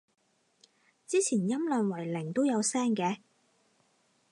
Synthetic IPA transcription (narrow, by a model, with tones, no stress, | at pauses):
t͡siː˥t͡sʰiː˨˩njɐ˥mlœː˨nwɐ˨˩jlɪ˨˩ŋt̪o˥wjɐ˨˧wsɛː˥ŋkɛː˧